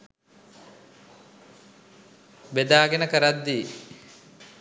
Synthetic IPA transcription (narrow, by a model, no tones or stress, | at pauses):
bed̪aːɡenəkəɾad̪ːi